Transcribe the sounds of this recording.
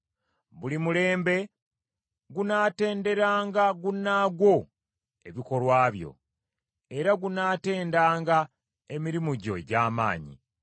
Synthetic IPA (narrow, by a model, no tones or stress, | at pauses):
βulimule̞ːmbe̞ | ɡunaːte̞ːnde̞ɾaːŋɡaɡunːaːɡwo̞ | e̞βiko̞lwaːβjo̞̰ | eɾaɡunaːte̞ːndaːŋɡa | e̞miɾimuɟo̞̰ɟaːma̰ːɲḭ